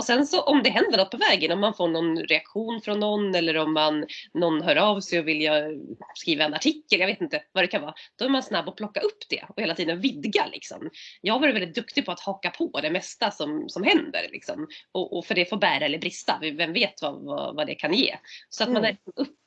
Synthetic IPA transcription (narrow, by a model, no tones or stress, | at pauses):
ɔsɛnsɔʔɔmd̪ɛɦɛnd̪əɳɔt̪̚ːpʰɔvɛːɡənɔmːanfoːɳɔnɾɛakɧuːnfɾɔnːɔnːɛlːəɾɔmːanːɔnːɦœːɾɑvsɛjɔvɪljɑskɾiːvaɛnaʈʰɪkːəljaveːt̪ɪnt̪əvad̪ɛkʰanvɑːd̪̥ɔæɾmansnabːɔpʰlɔkːaʔɵpːd̪̥ɛ̰ɔheːlat̪iːd̪ənvɪd̪ɡalɪ̰ksɔ̰mjɑːɡvaɾvɛlɪt̪̚d̪ɵkt̪ɪɡ̚pʰɔat̪hɑːkapʰɔd̪ɛmɛst̪asɔmsɔmɦɛnd̪ə̰ɾlʔɪ̰ksɔ̰mɔʔɔfœɖɛfoːbæːɾaɛlːəɾbɾɪst̪a̰vvɛmveːt̪va̰va̰vad̪ɛ̰kʰanjḛːsɔat̪manæɾsɔmɵpː